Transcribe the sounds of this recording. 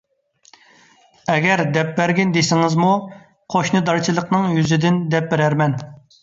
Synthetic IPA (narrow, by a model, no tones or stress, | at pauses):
ɛɡʲɛɾd̪ɛp̚bæɾɡʲind̪esɪŋɪzmu | qʰoʃnɨd̪ɑɾt͡ʃʰilˠəqnɨŋjyzɪd̪ɪnd̪ɛp̚bɪɾæɾmɛn